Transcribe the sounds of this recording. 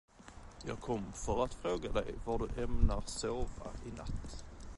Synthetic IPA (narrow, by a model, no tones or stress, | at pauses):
jɑ̰ːɡkʰɔmːfœɾat̪fɾoːɡad̪ɛ̰jvaɖɵʔɛmnaɾsoːva̰ɪna̰t̪ː